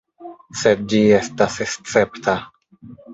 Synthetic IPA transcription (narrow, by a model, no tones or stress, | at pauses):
sed̚d͡ʒie̞stasest͡se̞ptʰa